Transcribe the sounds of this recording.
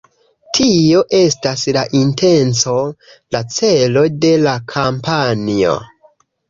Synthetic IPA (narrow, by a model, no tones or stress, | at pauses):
tʰio̞ʔe̞staslaʔinte̞nt͡so̞ | lat͡se̞lo̞de̞lakʰampanio̞̰